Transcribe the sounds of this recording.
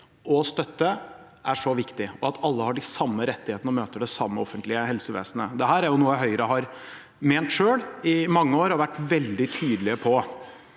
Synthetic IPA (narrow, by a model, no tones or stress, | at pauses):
ɔst̪œt̪ːə | ʔæʂɔʋɪkt̪ɪɔɑt̪ʰɑlːəhɑɖɪsɑmːəɾɛt̪ːɪheːt̪nɔmøːt̪əɖɛsɑmːəɔfənt̪lɪəɦɛlsəʋḛːsnəd̪ɛɦæːɾæɾjʊnuːəɦœʏɾəɦɑɾ | meːnt̪ʂøːɽɪmɑŋːəoːɾɔɾʋæʈːʋɛld̪ɪt̪ʰyːd̪əlɪəpʰɔ